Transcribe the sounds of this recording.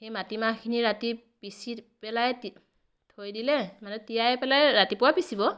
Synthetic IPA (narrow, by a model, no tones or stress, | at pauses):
xejmatimakʰiniɹati | pisipɛlajt | tʰojdilɛmanɛtijajɛpɛlajɹatipʊwapisibɔ